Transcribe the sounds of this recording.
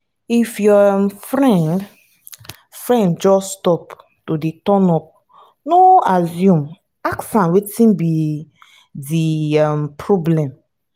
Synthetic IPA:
ifjɔmfɹɛ̃nd | fɹɛ̃ndd͡ʒɔsstɔp | todetɔ̃nɔp̚ | noazjũm | aksãnwetĩnbi | diampʰɹɔblɛ̃m

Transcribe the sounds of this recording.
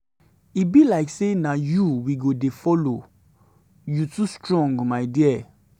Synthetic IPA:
ibilaɪksenajuwiɡodefɔlo | jutustɹɔ̃ŋɡmaɪdiɛ

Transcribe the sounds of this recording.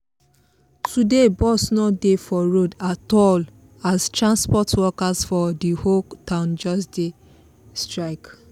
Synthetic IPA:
tʰudebɔsnɔdefɔɹodatɔl | astɹãnspɔtwɔkasfɔdihotãʊ̃nd͡ʒɔsde | stɹaɪk

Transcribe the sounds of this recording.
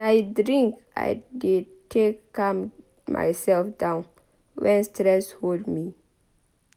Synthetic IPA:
aɪdɹĩŋk | a̰jde | tʰekːãm | mʔa̰jsɛlfdãʊ̃n | wɛ̃nstɹɛsholdmi

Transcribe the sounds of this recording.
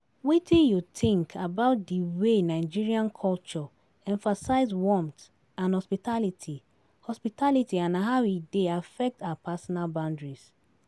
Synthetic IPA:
witʰĩnjutĩŋkʰabaʊt̚diwenaɪd͡ʒiɹiãnkʰɔlt͡ʃɔ | ɛ̃ɱfasaɪzwɔ̃mt | ãnhɔspitalitʰi | hɔspitʰalitiãnaɦaideafɛk̚tawapasɔnalbãʊ̃ndɹis

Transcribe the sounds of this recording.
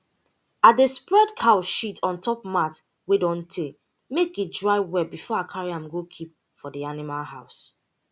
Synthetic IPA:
at̚despɹɛdkʰaʊʃitʰɔ̃ntʰɔp̚mat | wedɔ̃ntʰe | mekit̚dɹaɪwɛbifɔakʰaɹiãmɡokʰip̚ | fɔdianimalɦaʊs

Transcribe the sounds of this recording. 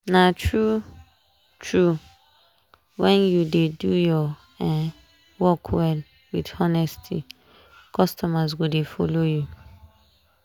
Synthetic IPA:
nãtʰɹu | tʰɹu | wɛ̃njudedujɔ | ɛ | wɔkʰwɛl | widɔnɛstʰḭ | kʰɔstɔmaz̬ɡodefɔ̰loju

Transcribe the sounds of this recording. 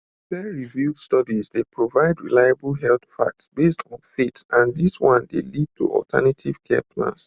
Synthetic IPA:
bɛɹivudstɔdizdepɹovaɪdɹḭlaɪablɦɛlt̪fa̰k̚tsbestʰɔ̃nfitãndiswɔ̃ndḛlid̚tʰṵʔɔ̰ltʰa̰natʰiv̥kʰɛ̰pʰlã̰ns

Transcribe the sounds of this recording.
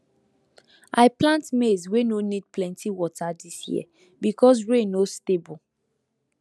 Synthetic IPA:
ʔaɪplãntmezwenonid̚plɛ̃ntʰiwɔtʰadisjḭə̰ | bikʰɔs̬ɹẽnostebul

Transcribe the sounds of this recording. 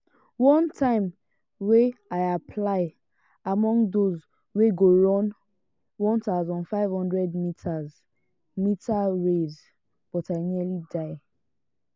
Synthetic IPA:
wɔ̃ntʰãɪ̃m | weaɪapʰlaɪ | amɔ̃ŋɡðoz | weɡoɹɔ̃n | wɔ̃ntaʊzãnfaɪv̥hɔ̃ndɹɛdmitʰaz | mitʰaɹez | b̥ɔtaɪniəlidaɪ

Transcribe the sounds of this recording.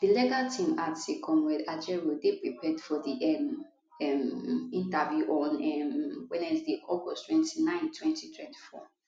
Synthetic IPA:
d̥ilɛɡatʰĩmatikʰɔ̃mɹɛdad͡ʒɛɹodepɹipʰɛdfɔdiʔɛm | ɛmĩntavjuʔɔ̃nɛmwɛnɛsdiʔɔɡɔstwɛ̃ntinãɪ̃ntʰwɛ̃ntitʰwɛ̃nti̥fɔ̰

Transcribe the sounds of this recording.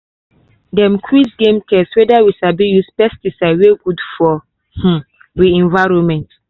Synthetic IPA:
dɛ̃mkʰwisɡẽmtʰɛswɛdawiʃabijuspɛstisaɪweɡudfɔ | h̩ | wiɛ̃nvaɹõmɛ̃nt

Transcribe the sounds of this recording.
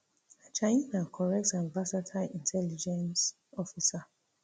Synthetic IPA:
at͡ʃaĩnãnkʰɔɹɛk̚tãmbasatʰaĩntʰɛlid͡ʒɛ̃ns | ɔfisa

